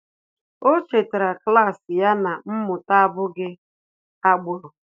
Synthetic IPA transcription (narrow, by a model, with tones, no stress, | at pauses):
o˦t͡ʃe˨te˨ɾa˨kla˦˨sɪ˨ja˦na˨m̩˦mʊ˨ta˦a˦bʊ˦ɡɪ˦ | a˦ɡ͡bʊ˨ɾʊ˨